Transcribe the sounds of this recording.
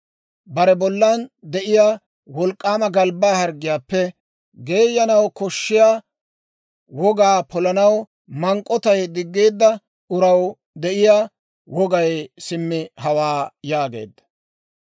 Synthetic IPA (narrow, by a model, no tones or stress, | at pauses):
bɐɾɛbɔlːɐnd̪ɛʔɪjaː | wɔlkʼːaːmɐɡɐlbaːhɐɾɡːɪjaːpːɛ | ɡe̞ːjːɐnɐwkɔʃːɪjaː | wɔɡaːpɔlɐnɐw | mɐŋkʼːɔt̪ɐjd̪ɪɡːe̞ːd̪ːɐ | ʔʊɾɐw | d̪ɛʔɪjaː | wɔɡɐjsɪmːɪhɐwaːjaːɡe̞̰ːd̪ːɐ̥